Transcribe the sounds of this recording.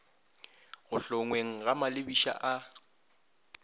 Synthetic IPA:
ɣʊɬʊŋweŋ̩ɣamalɪbiʃa̰ʔa

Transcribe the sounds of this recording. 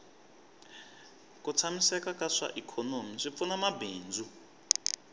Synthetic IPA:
kut͡sʰamisɛkakaʂa̰ʔikʰɔnomiʂip̪funamabeːnd͡zu

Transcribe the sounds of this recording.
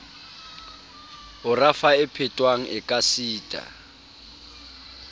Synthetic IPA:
ʊrafaɪpʰɪtʼwaŋ̩ʔɪkʼasiːtʼa̰

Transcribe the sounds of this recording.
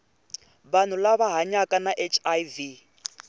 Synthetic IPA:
βan̤ulaβaɦaɲakʼanaʔet͡ʃʰʼajvi

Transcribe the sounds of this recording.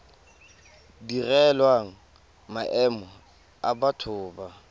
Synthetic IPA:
dirɛlwaŋ̩ | maʔɛmɔ | abatʰʊːba

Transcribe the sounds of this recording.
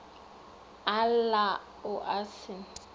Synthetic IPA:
ala | ʊʔasɪn̩

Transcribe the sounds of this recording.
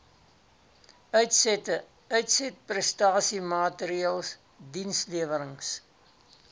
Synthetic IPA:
œɥtstə | œɥtsɛt̚prɛstɑːsimɑːtəɾiəlˠs | dinsliəvəɾəŋs

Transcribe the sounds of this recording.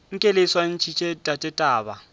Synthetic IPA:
ŋ̩kʼeleswan̩t͡ʃʰit͡ʃʼetʼatʼɛtʼaːba̰

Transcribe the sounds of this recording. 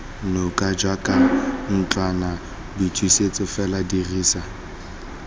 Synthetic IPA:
nokʼad͡ʒwakʼan̩t͡ɬana | bitʰwiset͡sʼɪfɛladiriːsa

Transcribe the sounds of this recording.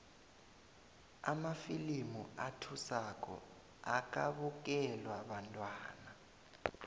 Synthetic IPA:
a̰mafilimuatʰusak̬ʼɔ̰ | ak̬ʼaɓuk̬ɛlwaɓantʼwaːna

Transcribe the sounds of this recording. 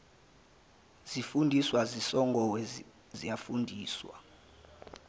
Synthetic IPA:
z̥ifundʱiswazisɔŋɡʱɔwɛ | zijafundʱiːswa̰

